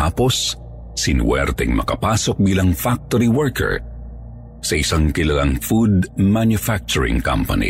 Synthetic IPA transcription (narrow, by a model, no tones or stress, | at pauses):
aːpos | sɪnwɛ̰ɾt̪ɛŋmɐ̰kɐpaːsok̚biːlɐŋfak̚t̪oɾiwɛɹkɛ̰ɹ | sɐʔɪsaŋkɪlɐlaŋfud̪̚manjʊfak̚t͡ʃʊɹɪ̰̃ŋkɐ̰mpɐ̰nḭ